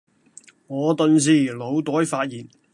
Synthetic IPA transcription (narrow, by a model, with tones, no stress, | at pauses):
ŋɔː˨˧t̪ɵ˨ns̬iː˨˩lo˨˧wt̪ɔː˨˥jfaː˧t̚jiː˨˩n